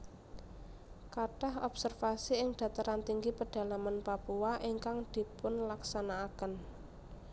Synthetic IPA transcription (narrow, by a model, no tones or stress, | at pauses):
kaɖ̥aɦɔb̥sərfasiɪŋɖ̥ä̤t̪əɾant̪iŋɡipəɖ̥a̤lamanpapuaʔiŋkaŋd̪̥i̤pʊnlaksanaːkən